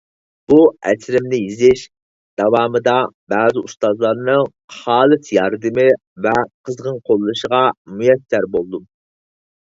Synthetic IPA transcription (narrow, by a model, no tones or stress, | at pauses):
b̥uɛ̰sɾɪmnɪjizɪʃ | d̪̥ɑwɑːmɨd̪ɑbɑːzɪust̪ɑzlˠɑɾnɨŋ | χɑːlˠɨsjɑɾd̪ɨmɨ | vɛqʰəzʁənqʰolˠːɨʃəʁɑmujɛsːæɾbolˠd̪um